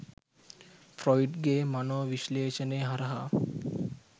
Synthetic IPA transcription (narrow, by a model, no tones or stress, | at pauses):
fɾɔjɖɡemanoʋiʃleːʃəneɦaɾaɦa